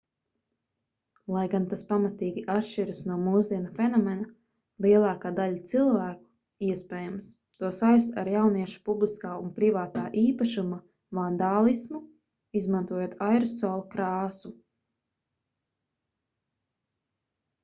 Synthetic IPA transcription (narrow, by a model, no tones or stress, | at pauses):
lˠajɡant̪aspamat̪iːɡʲiʔat̪ʃt͡ʃiɾɨsnuɔmuːzd̪iɛnafɛnɔmɛna | lˠiɛlˠɑːkaːd̪aʎat̪silˠvæːku̥ | iɛspɛːjams | t̪uɔsajst̪a̰ɾjawniɛʃu̥publˠiskaːunpɾivaːt̪aːʔiːpaʃuma | vand̪aːlˠismu | izmãnt̪uɔjoɔt̪ajɾusːɔːlˠakɾaːsu